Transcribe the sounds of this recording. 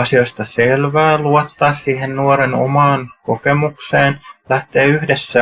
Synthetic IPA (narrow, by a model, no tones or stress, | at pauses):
ɑsio̞st̪ɑselʋæːluɑt̪ːɑːssiːhennuoɾeno̰mɑːnko̞kemukseːnlæht̪eːyhdesːæ